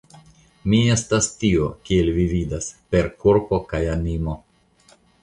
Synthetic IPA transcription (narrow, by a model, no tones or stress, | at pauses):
mie̞stastio̞kie̞lvividaspe̞ɾkuɾpo̞kajanimo̞